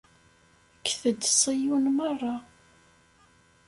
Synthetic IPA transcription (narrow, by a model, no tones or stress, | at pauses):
əkːθəd̪sˤijunmərˤːɑ